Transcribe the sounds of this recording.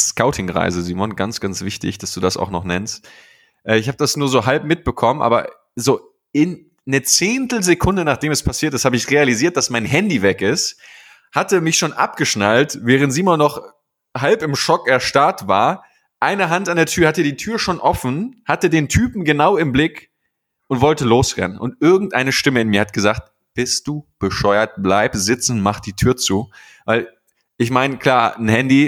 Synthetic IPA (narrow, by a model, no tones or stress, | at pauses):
skaʊtʰɪŋʁa̰ɪzəziːmɔnɡansɡ̥ansv̥ɪçtɪ̰çd̥asd̥uːdasa̰ʊxnɔχnɛnst | ʔɛːɪçhaːbəd̥asnuːɐzoːɦalp̚mɪt̚b̥əkʰɔmənʔa̰ːbɐ̰ | zoː | ɪnː | ət͡seːntl̩zekʰʊndənaːχd̥eːmɛspʰasiːɐtɪsthaːbəɪçʁealiziːɐt̚d̥asmaɪnɦɛndivɛkɪst | hatəmɪçʃoːnʔa̰p̚ɡ̥əʃnaltvɛːʁ̞əntz̥iːmɔnːɔχ | halpɪmʃɔkɛɐʃtaɐtv̥a̰ːɐ | ʔaɪnəɦantandeːɐtʰyːɐhatədiːtʰyːɐʃoːnʔɔfn̩hatədeːntʰyːpm̩ɡənaʊɪmblɪk | ʔʊntv̥ɔltəloːsʁɛ̰nənʔʊ̰ntʔɪɐɡŋ̩tʔaɪnəʃtɪməɪnmiːɐhat̚ɡ̥əzaːkt̚ | b̥ɪst̚d̥uːb̥əʃɔʏɐt̚b̥laɪpz̥ɪt͡sn̩maχd̥iːtʰyːɐt͡suː | vaɪl | ʔɪçmaɪnkʰl̥aːɐn̩hɛndi